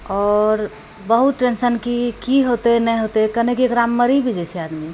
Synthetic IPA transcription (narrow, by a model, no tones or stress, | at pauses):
ɔːɾ | bəɦut̪̚ɾensənkikiɦot̪enɛjɦot̪ekənekiekɾamːəɾibʱid͡ʒɛt͡ʃʰiad̪mi